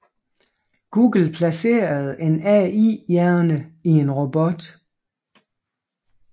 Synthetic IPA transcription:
ɡ̥uːɡ̥l̩pʰlæse̝̰ːɐð̞̩ˠe̝nɛḭjæɐnəie̝nʁo̝b̥ɔ̽d̥

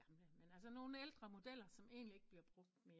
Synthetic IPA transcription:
menæls̬əno̝ːn̩eld̥ʁɐmo̝d̥el̰ɐsɒ̽me̝̰ːnlie̝ɡ̥b̥liɐb̥ʁɔ̽ɡ̥̚d̥meːɐ

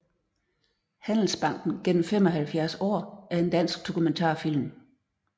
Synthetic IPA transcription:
hæn̰l̩sb̥ɑ̈ŋ̰ɡ̥n̩ɡ̥en̰m̩fem̰ɒ̽ɦælfjæɐsɒ̰ːæɐe̝nd̥æn̰sɡ̥̚d̥o̝kʰument͡sʰɑ̰̈ːfil̰m

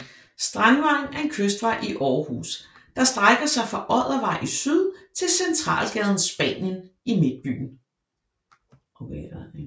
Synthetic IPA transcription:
sd̥ʁanʋɑ̈ŋŋ̩æɐe̝nkʰøsd̥ʋɑ̈ɪ̰ʔiʔɒːhṵːs | d̥ɑ̈sd̥ʁaɪɡ̥ɐsɑ̈ɪfʁɑ̈ʔɒ̽ð̰ˠɐʋɑ̈ɪ̰ʔisyð̞ˠt͡sʰe̝lsent͡sʰʁɑ̰̈ːlɡ̥ɛð̞ˠn̩sb̥ɛ̰ːnjənime̝d̥̚b̥y̰ːn̩ | okʰ

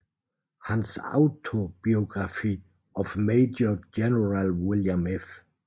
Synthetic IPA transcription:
hãnsa̰ʊtʰob̥iɔɡɹafi | ɔvmeɪd͡ʒəd͡ʒɛnəɹalwɪljãmɪf

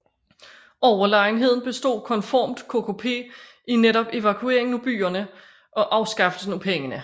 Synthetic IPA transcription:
ɒʊɐlɑ̈ɪnɦe̝ð̞̰ˠn̩b̥e̝sd̥o̝̰ːkʰɒ̽nfɒ̰ːmd̥kʰo̝kʰo̝pʰe̝̰ː | ineɾɒ̽b̥e̝ʋækʰue̝̰ɐ̰e̝ŋnub̥y̰ːɐnə | ʔɒ̽ʔɑ̈ʊsɡ̥ɑ̈fd̥ədnupʰeŋənə

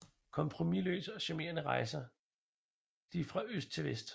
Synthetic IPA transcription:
kʰɒ̽mpʰʁo̝milø̰ːsɒ̽ɕæme̝̰ːɐnəʁɑ̈ɪsɐ | d̥ifʁɑ̈øsd̥̚t͡sʰe̝lʋesd̥

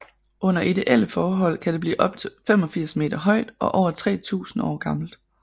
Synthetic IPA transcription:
ʔɔ̽n̰ɐʔid̥e̝ʔel̰əfɒːɦɒ̽l̰kʰæd̥eb̥lḭːʔɒ̽b̥̚t͡sʰe̝femɒ̽fiɐ̰sme̝̰ːd̥ɐɦɒ̽ɪ̰d̥ɒ̽ʔɒʊ̰ɐt͡sʰʁɛ̰ːt͡sʰṵːsn̩ɒ̰ːɡ̥ɑ̈ml̩d̥

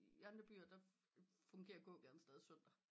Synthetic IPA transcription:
jænd̥ɐb̥y̰ːɐd̥ɑ̈ | fɔ̽ŋɡ̥e̝̰ːɐɡ̥ɔ̰̽ːɡ̥æɐn̩əsd̥eːð̞ˠisøn̰d̥ɐ

